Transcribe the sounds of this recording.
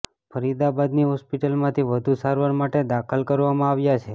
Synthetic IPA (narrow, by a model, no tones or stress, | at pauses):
fʰəɾid̪abad̪niɦɔspiʈəlmãt̪ʰiʋəd̪ʱusaɾʋaɾmaʈed̪akʰəlkəɾʋamãaʋjat͡ʃʰe